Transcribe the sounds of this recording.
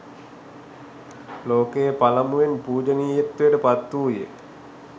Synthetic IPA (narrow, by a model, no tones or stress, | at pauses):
loːkejəpalamuʋenpuːd͡ʒəniːjet̪ːujəʈəpat̪ːuːjḛ